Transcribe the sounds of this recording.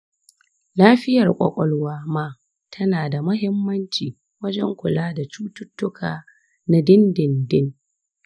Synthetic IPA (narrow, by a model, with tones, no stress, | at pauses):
laː˦ɸɪ˦jɐ˨rkʷʼɔ̰˨kʷʼɔ˦lwaː˦maː˦ | tʰɐ˦naː˨da˨mʊ˦ɦɪ˦mːɐ˦nt͡ʃiː˨ | wɐ˦d͡ʒɛ˦ŋkʷʊ˨laː˦da˨t͡ʃuː˦tʊ˦tːʊ˦kʰaː˨ | na˦dɪ˦ndɪ˨ndɪ˦n